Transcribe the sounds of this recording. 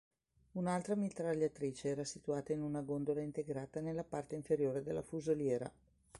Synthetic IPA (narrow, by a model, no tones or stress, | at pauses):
unalt̪ɾamit̪ɾaʎːat̪ɾiːt͡ʃeɛːɾasit̪uaːt̪ainunaɡond̪olaint̪eɡɾaːt̪anelːapart̪eiɱfeɾjoːɾed̪elːa̰fuzoljɛːɾa̰